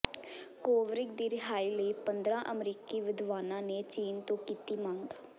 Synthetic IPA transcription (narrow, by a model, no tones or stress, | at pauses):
koːʋɾɪkd̪iːɾɪɦaːiːləiːpənd̪ɾãːʔəmɾiːkiːʋɪd̪ʋaːnãːneːt͡ʃiːnt̪õːkiːt̪iːmãːŋɡ